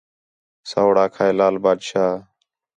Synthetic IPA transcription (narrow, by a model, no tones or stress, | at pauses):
saːʊɽaːkʰaːeːlaːlbaːd̪ʃaː